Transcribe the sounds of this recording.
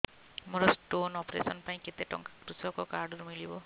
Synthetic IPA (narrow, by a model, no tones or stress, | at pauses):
mɔɾɔsʈonɔpɾḛsɔnpaĩket̪eʈɔ̰ŋkakɾusɔkɔkaɾɖɔɾumilibɔ